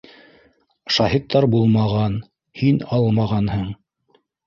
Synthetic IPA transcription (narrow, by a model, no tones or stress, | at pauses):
ʃɑhit̪ːɑɾbulˠmɑʁɑn | hinɑlˠmɑʁɑnhɤɴ